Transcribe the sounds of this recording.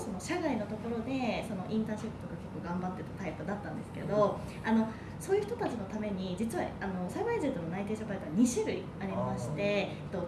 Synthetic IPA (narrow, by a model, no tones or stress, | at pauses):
so̞noɕakaino̞t̪o̞ko̞ɾo̞d̪e̞so̞no̞ʔĩnt̪ãːɕipːɯ̟t̪o̞kake̞kːo̞ɡãmbat̪ːet̪ḁt̪aipɯ̟d̪at̪ːã̰nd̪e̞sɨ̥ke̞̰d̪o̞ | ano̞ | so̞ːjɯ̟ç̥t̪ot̪at͡ɕino̞t̪ame̞ɲ̟id͡ʑit͡sɨβa̰ano̞saiβaizet̪ːono̞nait̪e̞ːɕapait̪oaɲ̟iɕiɾɯ̟ḭ | aɾʲimmaɕi̥t̪e̞ | t̪ːo